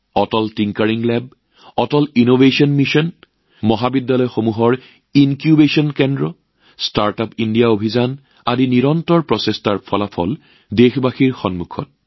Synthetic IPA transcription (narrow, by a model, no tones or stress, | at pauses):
ɔtɔltiŋkaɹiŋlɛb̚ | ɔtɔlinobesɔnmiʃɔn | mɔɦabidːalɔjxomuɦɔɹ | inkjubesɔnkɛndɹɔ | staɹtapindijaobʱizan | adiniɹɔntɔɹpɹɔsestaɹpʰɔlapʰɔ̰l | dexbaxiɹxɔnmukʰɔt̚